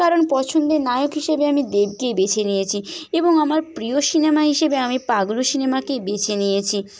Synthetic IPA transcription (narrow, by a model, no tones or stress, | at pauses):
aɾonpɔt͡ɕʰond̪enajokɦiʃebeamid̪eb̚kebet͡ɕʰenijet͡ɕʰieboŋamaɾpɾioʃinemaɦiʃebeamipaɡloʃinemakebet͡ɕʰenijet͡ɕʰi